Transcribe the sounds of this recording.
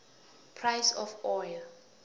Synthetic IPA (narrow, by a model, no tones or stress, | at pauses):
pʰrajsɔfɔj